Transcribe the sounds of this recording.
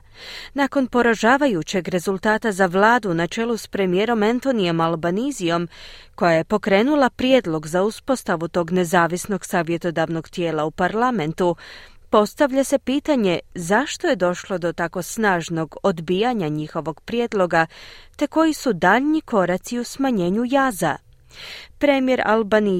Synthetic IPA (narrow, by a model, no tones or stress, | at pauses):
nako̞npo̞ɾaʒaːʋajut͡ɕe̞ɡɾe̞zulˠt̪aːt̪azaʋlˠaːd̪unat͡ʃe̞luspɾe̞mije̞ːɾo̞mant̪o̞nijo̞malbanizio̞mko̞jaje̞po̞kɾe̞ːnulˠapɾje̞d̪lˠo̞ɡzauspo̞st̪aʋut̪o̞ːɡne̞zaːʋisno̞ɡsaːʋje̞t̪o̞d̪aʋno̞ɡt̪je̞ːlˠaupaɾlˠame̞nt̪upo̞st̪aʋʎase̞piːt̪aɲe̞zaʃt̪o̞je̞d̪o̞ʃlˠo̞d̪o̞t̪ako̞snaːʒno̞ɡo̞d̪biːjaɲaɲixo̞ʋo̞ɡpɾje̞d̪lˠo̞ɡat̪e̞ko̞jisud̪aːʎɲiko̞ɾat̪siusmaɲe̞ːɲujaːza | pɾe̞mije̞ɾa̰lbani